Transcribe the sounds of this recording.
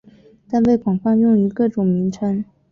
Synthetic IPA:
t̪a˥˧npe˥˩ɪkwɑ˨˩ŋfɑ˥˧ŋjʊ˥˩ŋy˧˥kɤ˥˩ʈ͡ʂʊ˨˩ŋmi˧˥nʈ͡ʂʰa˥n

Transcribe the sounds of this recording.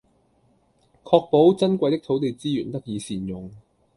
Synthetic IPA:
kʰɔː˧k̚po˨˥wt͡sɐ˥nkʷɐ˧jt̪ɪ˥k̚t̪ʰo˨˥wt̪e˨jt͡siː˥jyː˨˩nt̪ɐ˥k̚jiː˨˧siː˨˩njʊ˨˩ŋ

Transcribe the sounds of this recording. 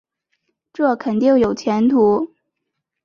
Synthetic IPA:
ʈ͡ʂɤ˥˩kʰə˨˩nt̪ji˥˩ŋjo˨˩ʊt͡ɕʰjɛ˧˥nt̪ʰu˧˥

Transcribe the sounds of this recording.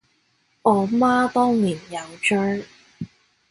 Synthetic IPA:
ʔɔː˨˧maː˥t̪ɔː˥ŋliː˨˩njɐ˨˧wt͡ʃœː˥

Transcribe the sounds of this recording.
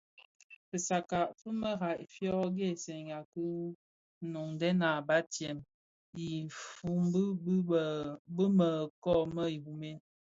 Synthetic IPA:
pə˨sa˨ka˨ʔfə˦mə˦ɣa˨ʔfjɔ˦ɡe˦˨se˨ŋa˨kə˦ | no˨ŋdɛ˦na˨ba˦tjɛ˨m | i˨fu˦mbbbə˦mə˨kɔ˦˨mə˦i˨hu˨me˦

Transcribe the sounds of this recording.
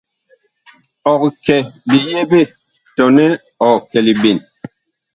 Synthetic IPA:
ɔ˨kkɛ˨bi˨je˦be˦˨ | tɔ˨nɛ˦ | ɔ˨kɛ˨li˨bi˨n

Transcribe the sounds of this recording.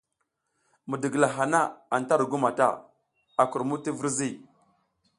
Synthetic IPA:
mu˨də˨ɡə˨la˨ɦa˨na˦a˨n˨ta˦ɾɡu˦ma˨ta̰˦˨ | a˨ku˨ɾmu˦ti˦və˦ɾzi˦˨

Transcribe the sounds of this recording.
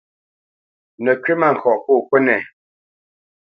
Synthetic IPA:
nə˨kɥe˦ma˦˨ŋ̩˨kʰɔ˨ʔko˦˨kwə˦nɛ˦˨

